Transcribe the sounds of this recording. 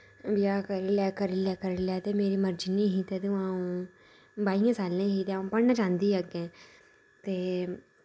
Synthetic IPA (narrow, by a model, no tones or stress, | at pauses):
bɪaːkəɾilɛːkəɾilɛːkəɾlɛːt̪eːmeːɾiːməɾd͡ʒinĩːɦiːt̪eːt̪eãːũː | baːijãːsaːlẽːɦit̪eãːũːpəɽnaːt͡ʃãːnd̪iːaɡẽː | t̪eː